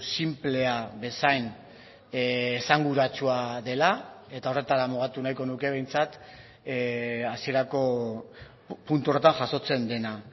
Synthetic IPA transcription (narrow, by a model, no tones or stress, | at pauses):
simple̞aβe̞sajn | saŋɡuɾat͡ʃuaðe̞lae̞t̪ao̞re̞t̪aɾamuɣ̞at̪unajko̞nuke̞β̞e̞jnt͡sat̪ | asieɾako̞ | punt̪uo̞re̞t̪anʝaso̞t͡se̞nd̪e̞na